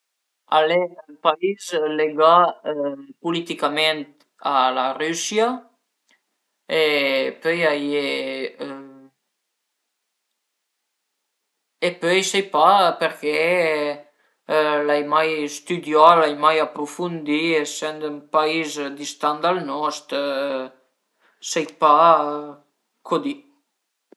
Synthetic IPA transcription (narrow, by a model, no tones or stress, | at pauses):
a̰lempaizleɡa | pulit̪ikament̪ | alarysja | epøjaje | epøjsejpapeɾke | lajmajst̪yd̪jalajmajapɾufund̪iesɛnd̪ympaizd̪ist̪and̪alnɔst̪ | sajpa | kʰod̪i